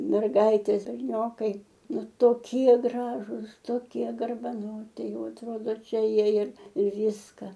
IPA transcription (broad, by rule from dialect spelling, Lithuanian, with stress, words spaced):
mʲɛrˈɡɐɪtʲeːs bʲɛrʲˈnʲoːkɐɪ ˈnʊ toːˈkʲiɛ ˈɡrɑːʒʊs toːˈkʲiɛ ɡɐrbɐˈnoːtʲɪ ˈjɛʊ ɐtˈroːdoː ˈt͡ʃʲɛ ˈjiɛ ɪr ɪr ˈʋʲiːskɐ